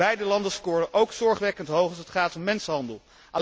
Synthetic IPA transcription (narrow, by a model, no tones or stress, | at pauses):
ɛjdəlɑndəskʊːrəʔowksɔɹχʋɛkəntɦowχɑsətχaːtɔmːɛnsəɦɑndəlˠ | ʔa